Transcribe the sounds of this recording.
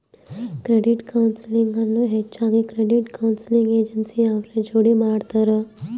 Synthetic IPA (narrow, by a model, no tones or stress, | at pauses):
kɾeɖiʈkawnsliŋɡanːoɦet͡ʃãŋikɾeɖiʈkawnsliŋɡed͡ʒənsiaʋɾẽd͡ʒoɽimaɽt̪əɾə